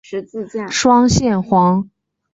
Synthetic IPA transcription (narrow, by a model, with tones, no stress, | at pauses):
ʂwɑ˥ŋɕjɛ˥˩nxwɑ˧˥ŋ